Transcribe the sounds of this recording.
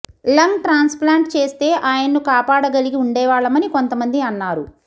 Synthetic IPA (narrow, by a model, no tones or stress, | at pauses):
lɐŋʈɾaːnsplaːɳʈt͡ʃe̞ːst̪e̞ːʔaːjɐnːukaːpaːɽɐɡɐliɡiuɳɖɛːʋaːɭɐmɐniko̞nt̪ɐmɐnd̪iɐnːaːɾu